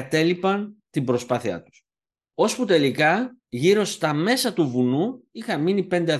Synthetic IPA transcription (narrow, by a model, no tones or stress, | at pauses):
t̪e̞lipɐnt̪imbɾo̞spɐθiɐ̰t̪u̥s | o̞sput̪e̞likɐʝiɾo̞st̪ɐme̞sɐt̪uvunuixɐmmːinipe̞nd̪eɐ